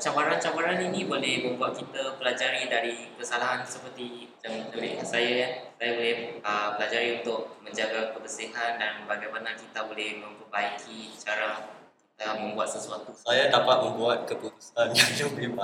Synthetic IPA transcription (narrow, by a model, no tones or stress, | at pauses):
t͡ʃabaɾant͡ʃabaɾaninĩbolɛhmə̃mbuat̪̚kit̪apəlad͡ʒaɾidaɾibəsalaɦansəpərt̪i | d͡ʒaŋtəlɪ̰ʔasajajasajabolɛhəpəlad͡ʒaɾiunt̪ʊk̚mə̃ɲd͡ʒaɡakəbəsiɦandanbaɡajmanakit̪abolɛhmə̃mpərbaikʰit͡ʃaɾa | kit̪amə̃mbuat̪̚səsuat̪usajadapat̪̚mə̃mbuat̪̚kətut̪usanjaŋd͡ʒabima